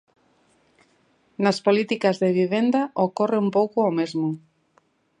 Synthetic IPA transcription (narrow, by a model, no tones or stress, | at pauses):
naspolit̪ikazðeβ̞iβend̪aʔokoreumpowkʊomezmo